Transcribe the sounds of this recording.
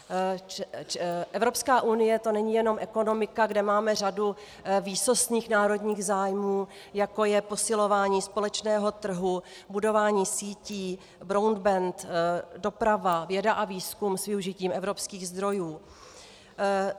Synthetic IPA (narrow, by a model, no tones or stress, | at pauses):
ʔɛvɾo̞pskaːʔunɪjɛt̪onɛɲijɛno̞mʔɛko̞no̞mɪkaɡdɛmaːmɛradu | viːso̞sɲiːxnaːɾo̞dɲiːɣzaːjmuː | jako̞jɛpo̞sɪlo̞vaːɲiːspo̞lɛt͡ʃnɛːɦo̞t̪r̩ɦu | budo̞vaːɲiːsiːciː | bɾowndbɛnt̪do̞pɾavavjɛdaʔaviːskumsvɪuʒɪciːmʔɛvɾo̞pskiːɣzd̪ɾo̞juː